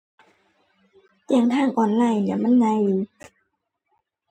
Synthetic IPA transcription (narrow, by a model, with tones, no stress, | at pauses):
jɛ˧˩˨ŋt̪ʰaː˧˥˨ŋʔɔː˨˩nlaː˧˩jni˧˩ɐma˧˥˨nɲa˧˦˨ju˧˨˦